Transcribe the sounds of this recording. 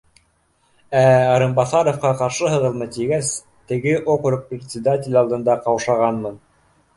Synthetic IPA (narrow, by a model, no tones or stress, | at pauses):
æɑɾɤ̆mbɑθɑɾofqɑqɑɾʃɤɦɤ̆ðɤ̆lˠmɤt̪iɡæs | t̪ɘ̆ɡɘʔokrɤk̚prʲɪt̪ʲsʲɪd̪atʲɪlʲɑlˠd̪ɤ̆nd̪ɑqɑwʃɑʁɑnmɤn